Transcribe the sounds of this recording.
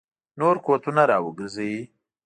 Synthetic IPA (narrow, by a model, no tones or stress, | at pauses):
noɾkot̪unaɾɑwəɡəɾzəji